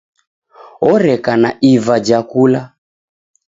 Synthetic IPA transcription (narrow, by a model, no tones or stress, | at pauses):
ɔɾɛkanaʔivad͡ʒakula